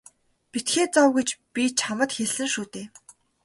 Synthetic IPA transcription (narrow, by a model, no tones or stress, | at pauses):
pit̪xeːt͡sɔwɣut͡ɕpit͡ɕʰamə̆t̪xeɮɘ̆ŋʃuːt̪eː